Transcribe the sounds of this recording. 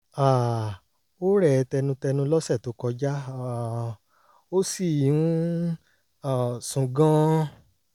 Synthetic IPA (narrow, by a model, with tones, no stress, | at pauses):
a˨ | o˦ɾɛ˨˧tɛ˧nũ˧tɛ˧nũ˧lɔ˦sɛ˦˨to˨˦kɔ˧d͡ʒa˦˨ | o˦si˦˨ũ˦ | a˨sũ˨ɡã˦